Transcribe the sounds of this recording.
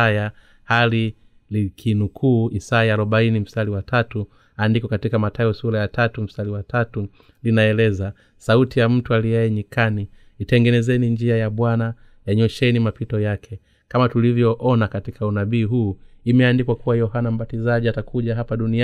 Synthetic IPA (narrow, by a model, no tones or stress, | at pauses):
aja | hali | likʰinukʰuːisajaːɾuɓainim̩staliwatatu | andikɔkatikamatajɔsuɾajatatum̩staliwatʰatu | linaɛlɛza | sautijam̩tualijaɛɲikaniː | tɛŋɡɛnɛzɛniɲd͡ʒiajaɓwana | jaɲɔʃɛnimapitɔjakʰɛ | kamatulivjɔʔɔnakatikʰaunaɓiːɦuːimɛandikwakuwajɔɦanam̩batizaʄiatakuʄaɦapaɗuni